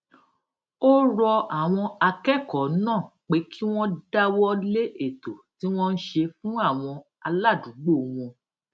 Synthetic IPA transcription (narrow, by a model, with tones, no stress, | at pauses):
o˦ɾɔ˧a˨w̃ɔ̃˧a˧kɛ˦˨kɔ˨˦nãː˦˨k͡pe˨˦kʰi˦w̃ɔ̃˦da˦wɔ˦le˦ʔe˦˨to˨ti˨˦w̃ɔ̃˦n̩˦ʃe˧fũ˦a˦˨w̃ɔ̃˧ | a˧la˦˨du˨˦ɡ͡bo˦˨w̃ɔ̃˧